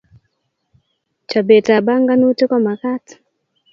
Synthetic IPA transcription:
t͡ʃa˨be˨ta˨ba˦ŋɡa˦nu˦te˦kɔ˦ma˨ka˦t

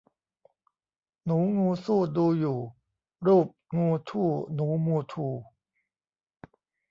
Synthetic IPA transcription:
nuː˩˦ŋuː˧suː˥˩duː˧juː˨˩ | ɾuː˥˩p̚ŋuː˧t̪ʰuː˥˩nuː˩˦muː˧t̪ʰuː˧

